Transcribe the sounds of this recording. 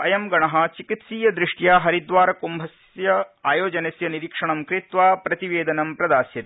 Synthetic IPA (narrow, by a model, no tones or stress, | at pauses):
ɐjɐmɡɐɳɐɦɐ̆t͡ʃikit̪siːjɐd̪ɾiʂʈjaːɦɐɾid̪ʋaːɾɐkumbʱɐs | jɐaːjoːd͡ʒɐnɐsjɐniɾikʂɐɳɐmkɾit̪ʋaːpɾɐt̪iʋeːd̪ɐnɐmpɾɐd̪aːsjɐt̪i